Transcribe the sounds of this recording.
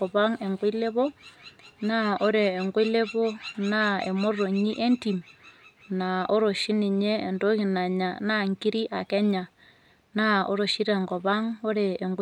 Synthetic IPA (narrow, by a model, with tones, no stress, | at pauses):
ɔ˨βa˦ŋe˨ŋɡwe˦le˦βo˦ | na˦o˦ɾeː˨ŋɡwe˦le˦βo˦na˦ḛ˨mo˦ro˨ɲi˦ʔe˦nti˨m | na˨o˦ɾo˨ʃi˦ni˨ɲḛː˦˨ndo˦ki˨na˨ɲa˨na˦˨ŋki˦ɾi˦ʔa˨kɛ˦ɲa˨ | na˦o̰˦ɾo˨ʃi˦ɾe˨ŋɡɔ˨βa˦ŋo˦ɾeː˨ŋɡ